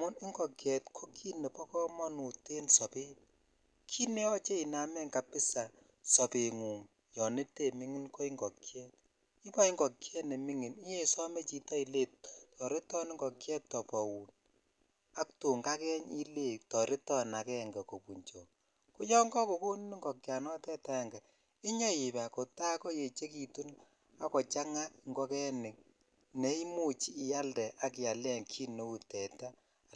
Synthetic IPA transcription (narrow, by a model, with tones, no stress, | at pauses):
mʊ˦nɪ˦ŋɡɔ˨kjɛ˨tkʰo˦kʰi˦ne˨pɔ˦kɔ˦mɔ˦nu˨te˦nsɔ˨pe˦ | kʰi˦nɛ˦ɔ˦t͡ʃe˦i˨na˨mɛ˦ŋka˨pɪ˦sa˨ | sɔ˨pe˨ŋu˨ŋ | jɔ˨nɪ˦te˦˨mɪ˦ŋɪ˦nko˦i˦ŋɡɔ˨kjɛ˦t̚ | i˦pɔ˦i˦ŋɡɔ˨kjɛ˦ne˨mɪ˦ŋɪ˨ni˦je˦˨sɔ˦me˦t͡ʃi˨ta˦i˨le˦t̚tʰɔ˨ɾe˦tɔ˦nɪ˦ŋɡɔ˨kjɛ˦ttɔ˨pɔ˨wu˨n | a˦k̚tu˨ŋɡa˦kɛ˦ɲi˦le˦ktɔ˨ɾe˦tɔ˦na˨kɛ˦ŋɡa˨ko˨pu˨ɲt͡ʃo˨ | ku˦jɔ˦ŋɡɔ˦ko˨ku˦n˦ni˦ŋɡɔ˨kja˨nɔ˦tɛ˦ta˦˨ŋɡa˨ | i˦ɲɔ˦ji˨pa˨ko˨ta˦kɔ˦je˨t͡ʃe˦ki˨tu˦n | a˦kɔ˨t͡ʃa˦ŋa˦kŋɡɔ˦kɛ˦nɪ˨k̚ | nɛ˨˦i˦mu˦t͡ʃiː˦˨ja˦ldɛ˨ʔa˨k̬ja˨lɛ˦ŋkʰi˦no˦u˨tɛ˨ta˦˨